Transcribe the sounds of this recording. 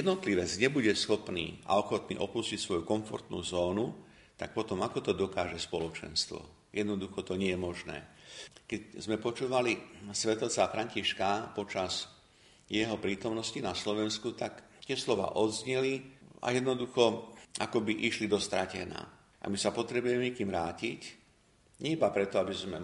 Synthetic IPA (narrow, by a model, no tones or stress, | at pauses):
ɛd̪nɔt̪liʋɛd͡zɲɛbuɟɛsxɔpnḭːa̰ɔxɔt̪nḭːʔɔpuscicsʋɔjukɔɱfɔ̰ɾt̪nṵːzɔːnu | t̪ak̚pɔt̪ɔmakɔt̪ɔd̪ɔkaːʒɛspɔlɔt͡ʃɛ̰nst̪ʋɔ̰ | jɛd̪nɔd̪uxɔt̪ɔɲɪɛjɛmɔʒnɛ̰ːkɛczmɛpɔt͡ʃuːʋalisʋɛt̪lt͡safɾaɲciʃkapɔt͡ʃaz | jɛɦɔpɾiːt̪ɔmnɔscinaslɔʋɛnskut̪ak | t̪ɪɛslɔʋa̰ːʔɔd̪zɲɛlia̰jɛd̪nɔd̪uxɔʔakɔbiʔiʃlid̪ɔst̪ɾacɛ̰na̰ː | ʔa̰misapɔt̪ɾɛbujɛmɛɛkiːmɾaːcic | ɲɛbapɾɛt̪ɔabizmɛ